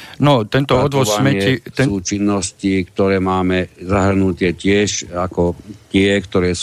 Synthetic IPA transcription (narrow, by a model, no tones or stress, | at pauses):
nɔt̪ɛnt̪ɔɔd̪ʋɔsamɛɛitsɛuːt͡ʃinːɔscikt̪ɔɾɛːmaːmɛzaɦr̩nut̪ɪɛcɪɛʃakɔt̪ɪɛkt̪ɔɾɛːs